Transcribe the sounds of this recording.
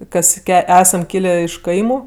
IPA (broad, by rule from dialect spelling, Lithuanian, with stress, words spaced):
ˈkɐs ˈæːsɐm ˈkʲiːlʲeː ɪʃ ˈkɐɪmʊ